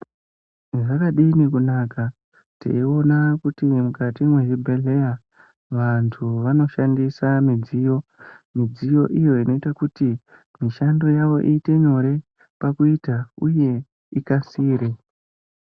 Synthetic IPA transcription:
ʐakaɗinikunaːka | tḛio̞nakutimukatimweʐibʱeɮe̞ja | ʋantʰuʋano̞ʃandisamid͡zijo̞mid͡zijo̞ʔijo̞ino̞itakuti | miʃando̞jaʋo̞ʔiːte̞ɲo̞ɾe̞ | pakuitauje̞ | ikasiːɾe

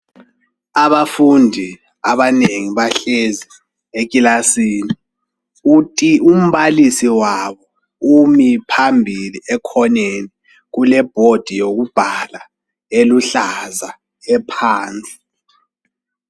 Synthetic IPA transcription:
aβafundʱi | aβaneŋiβaɬezi | ek̬ʼilasiːni | utʼium̩βalisiwaβɔ | umipʰambʱiliɛkʰɔneni | ɣulɛb̥ʱod̥ʱijoɣub̥ʱala | eluɬaza | ɛpʰaːnt͡sʼi̥

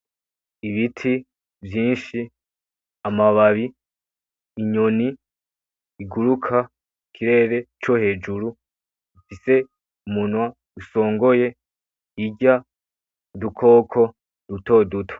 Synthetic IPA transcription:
iβitʰi | vjiːnʃi | amaβaβiː | ɲoniː | ɡuɾukʰa | kʰiɾe̞ɾe̞t͡ʃo̞he̞ːd͡ʒuɾu | ufise̞ | umunwa | duso̞ːŋɡo̞je̞ | iɟa | dukʰo̞ːkʰo̞ | duto̞ːdutʰo̥

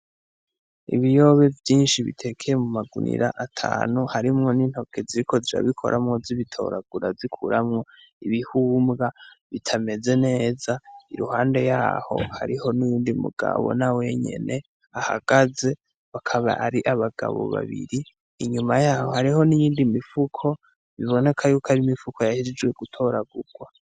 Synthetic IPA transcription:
ḭβijo̞ːβe̞vjiːnʃiβḭtʰe̞kʰejemumaɡṵnḭɾaʔatʰa̰ːnuhaɾimŋo̞niːn̥ho̞kʰe̞ziɾikʰo̞ziɾa̰βikʰo̞̰ɾʔamŋo̞ziβitʰo̞̰ɾaɡ̥uɾa̰zikʰuɾʔamŋo̞ | iβihuːmɡa | βitʰame̞ze̞ne̞ːzaiɾuhaːnde̞jaːho̞̰ha̰ɾiho̞nujiːndimṵɡ̥a̰βo̰nawe̞ɲe̞̰ne̞ | aha̰ɡ̥aze̞ | βakʰaβa̰aɾiʔaβaɡ̥a̰βo̰βa̰βḭɾiː | ɲumajaːhohaɾiho̞nijiːndimifukʰo̞ | βiβo̞ne̞kʰajuːkaɾimifukʰojahiɾid͡ʒɡwe̞ɡutʰo̞ɾaɡuɾɡwa

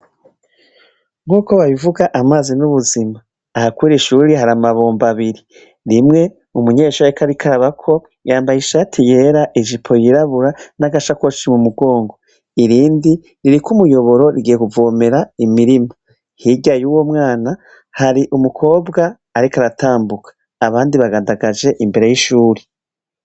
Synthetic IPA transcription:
ŋɡuːko̞βaβivuɡaʔamaːzinuβuzimaː | hakwiːɾiʃuːɾiɦaɾamaβo̞ːmbaβiɾi | ɾimŋe̞ | umuɲe̞ːʃuːɾɾekʰaɾikʰaɾaβakʰo̞ | jaːmbajiʃatʰije̞ːɾaʔiʒipʰo̞jiɾaβuɾanaɡaʃakot͡ʃimumuɡo̞ːŋɡo̞ | iɾiːndi | ɾiɾikumujo̞βo̞ɾo̞ɾiɡije̞kuvo̞ːme̞ɾaimiɾima | hiɟajuːwo̞mŋaːna | haɾiʔumukʰo̞ːbɡaː | ɾikaɾataːmbukʰḁː | βaːndiβaɡaːndaɡad͡ʒe̞ʔimbe̞ɾe̞jiʃuːɾe̥

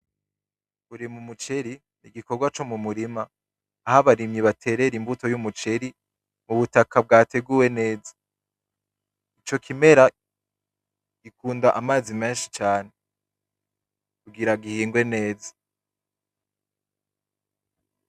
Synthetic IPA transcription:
kuɾimumut͡ʃe̞ɾi | niɡikoɡwat͡ʃo̞mumuɾimaː | haβaɾimɲiβatʰe̞ɾe̞ɾimbuto̞jumut͡ʃe̞ɾi | muβutakab̚ɡaːte̞ɡuːwe̞ne̞ːzḁ | it͡ʃo̞kʰime̞ɾa | ɡ̥ikuːndaʔamaːzimeːnʃi̥t͡ʃaːne̞ | kuɡiɾaɡihiːŋɡwe̞ne̞ːza

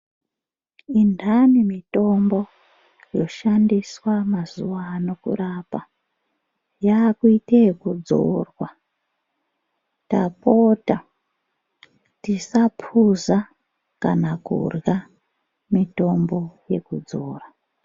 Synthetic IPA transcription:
indanimito̞mbo̞ | jo̞ʃandiswamazuwano̞kṵrapa | jaːkuitekud͡zo̞̰rwa | tapota | tisapʰuza | ka̰nakṵrja | mito̞mbo̞je̞kud͡zoːra

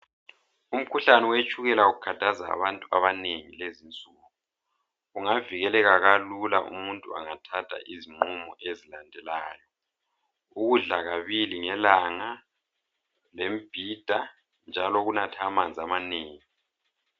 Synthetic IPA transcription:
um̩kʰuɬanɛwet͡ʃʼuɣɛlauɣukʰatʰaza̰ːβantʼua̰βaneŋilezint͡sʼuːɣu | uŋaviɣɛlɛɣaɣalulaʔṵmuntʼua̰ŋatʰatʰa̰ʔiziŋ͡ǃumɔʔezilandʱɛlaːjɔ | uɣuɮaɣaβiliŋɛlaŋa | lemb̥ʱid̥ʱa | nd͡ʒʱalɔɣunatʰamand͡zʱamaneːŋi

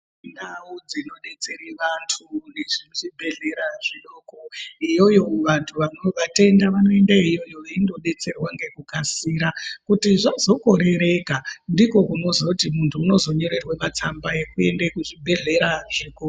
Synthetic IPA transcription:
inaud͡zino̞ɗe̞t͡se̞ɾiʋantʰuneʐinuʐibʱe̞ɮe̞ɾaʐiɗoːkoijo̞jo̞ʋantʰuʋanoʋate̞ndaʋano̞e̞ndaijo̞jo̞ʋaindo̞ɗe̞t͡se̞rwaŋɡe̞kukasiːɾakutiʐazo̞ko̞ɾe̞ɾe̞kandiko̞kuno̞zwakutimuntʰuːno̞zo̞ɲo̞ɾe̞rwemat͡sambae̞kue̞̰ndekuʐibʱe̞ɮe̞ɾaʐeko

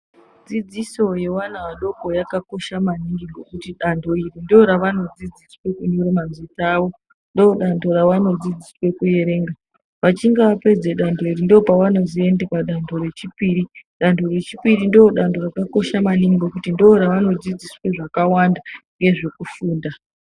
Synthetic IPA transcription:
d͡zid͡ziso̞je̞wanaʋaɗo̞ko̞jakako̞ʃamaniŋɡiŋɡokutiɗandʰʱo̞irindooɾaʋano̞d͡zid͡ziswe̞kuɲoɾemanzitaːʋo̞ | ndooɗandʰo̞ɾaʋano̞d͡zid͡ziswe̞kuje̞ɾe̞ːŋɡa | ʋat͡ʃiŋɡaʋape̞d͡ze̞ɗandʰo̞irindoopawano̞zie̞ndepaɗantʰo̞re̞t͡ʃipiːɾiɗantʰo̞re̞t͡ʃipiɾindooɗantdʰo̞rakako̞ʃamaniŋɡiɡokutindooɾaʋano̞d͡zid͡ziswe̞ʐakawandaŋɡe̞ʐe̞kufuːnda

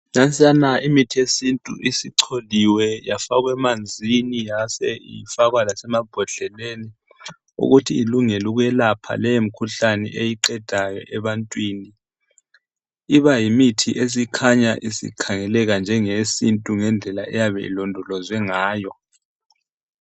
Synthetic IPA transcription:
nant͡sʼianaimitʰiesintʼṵʔisiǀʰoliwɛjafaɣwɛmand͡zʱinijasɛifaɣwalasɛmab̥ʱɔɮɛleni | ṵɣutʰiːluŋɛluɣujɛlapʰa̰lɛjem̩kʰuɬanɛ̰ʔejiǃɛd̥ʱajɔ̰ʔɛβantʼwini | iβajimitʰiʔes̬ikʰaɲaʔisḭkʰaŋɛlɛɣand͡ʒʱɛŋesintʼuŋɛnd͡ɮʱɛlaʔɛjaβɛ̰ḭlɔndʱɔlɔzwɛŋaːjɔ

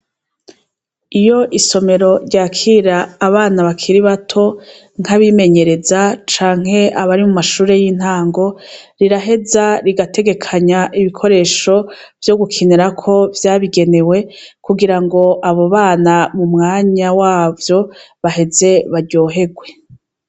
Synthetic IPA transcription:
ijo̞ʔiso̞me̞ɾo̞ɾɟaːkʰiːɾaːβaːnaβakʰiɾiβatʰo̞ | ŋ̥haβime̞ɲe̞ɾe̞zat͡ʃaːŋ̥he̞aβaɾimumaʃuːɾe̞jiːn̥haːŋɡo̞ɾiɾaɦe̞zaɾiɡatʰe̞ɡe̞kʰaɲaʔiβikʰo̞ɾe̞ːʃo̞ | vjo̞ɡukʰineɾakʰo̞vjaːβiɡe̞ne̞we̞ | kuɡiɾaŋɡo̞ʔaβo̞βaːnamumŋaːɲawaːvjo̞ | βaɦe̞ze̞βaɾɟo̞ːɦe̞ɡwe̞

